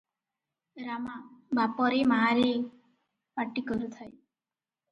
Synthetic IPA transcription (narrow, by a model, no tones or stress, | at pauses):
ɾamabapɔɾemaːɾe | paʈikɔɾut̪ʰaj